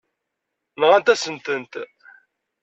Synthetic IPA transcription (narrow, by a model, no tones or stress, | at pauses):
nʁænt̪æsənt̪ənt̪